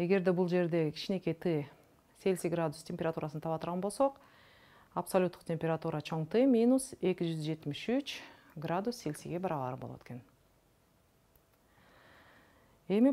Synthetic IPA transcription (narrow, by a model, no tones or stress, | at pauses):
e̞ɡe̞ɾd̪ebulˠd͡ʒe̞ɾd̪ekʰʲi̥t͡ʃine̞ke̞t̪ʰɨ | se̞lʲsiɡrad̪ʊst̪ʲempʲe̞ɾat̪uɾasnt̪ʰɑβɑt̪əɾʁɑnbo̞lˠso̞q | apsolʲut̪ːuqtʲe̞mʲpʲeɾat̪uɾat͡ʃʰo̞ɴt̪ɨmʲinuse̞kʲid͡ʒyzd͡ʒe̞t̪miʃyt͡ʃ | ɡrad̪usːe̞lʲsiɡe̞bɑɾɑlˠɑ̰ːɾɯbolˠot̪e̥ken | e̞mɪ